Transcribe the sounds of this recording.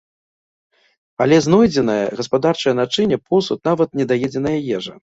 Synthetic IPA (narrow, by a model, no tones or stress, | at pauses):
alʲɛznɔjd͡zʲɛnɐjɐ̰ɣɐspad̪art͡ʂɐjɐnat͡ʂɨnʲɛpɔsut̪̚navɐt̪̚nʲɛd̪ajɛd͡zʲɛnɐjɐjɛʐɐ